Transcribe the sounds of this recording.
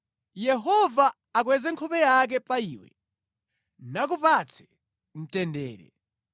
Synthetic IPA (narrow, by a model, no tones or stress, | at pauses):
jɛɦɔvaː | k̬wɛzɛŋkʰɔpɛjak̬ɛpaiːwɛ̰ | nak̬upat͡sʰɛ̥ | n̩tɛndɛ̰ːɾɛ̰